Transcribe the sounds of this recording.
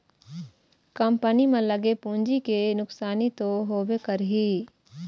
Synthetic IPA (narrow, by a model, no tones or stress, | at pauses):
kəmpənimẽləɡepũːɲd͡ʒikenʊksaːnit̪oɦoːbekəɾɦiː